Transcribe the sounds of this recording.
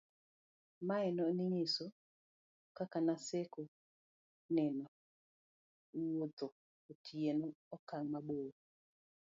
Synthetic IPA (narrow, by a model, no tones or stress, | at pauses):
maɛnɔnɪŋeso | kakanaseko | nɛnɔ | wod̪o | otʰjenoɔkaŋmaɓoo